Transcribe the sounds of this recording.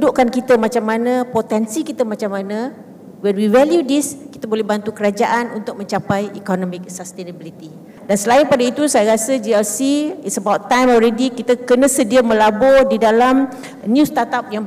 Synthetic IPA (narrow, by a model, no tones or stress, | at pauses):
dʊʔkankit̪əmãt͡ʃamːanə̃pot̪ɛnsikit̪əmat͡ʃamːanã | wɛnwivɛljudiski̥t̪abolɛhbant̪ukəɾad͡ʒaʔanunt̪ʊk̚mə̃ɲt͡ʃapajikɔnɔ̃mik̚sast̪enəbilit̪i | dansəlaɪnpadait̪usajaɾasəd͡ʒiɛlsiitsəbawt̪ːãjmɔlɾɛdikit̪əkənə̃sədiamə̃labɔdidalam | njũst̪at̪ap̚jaŋ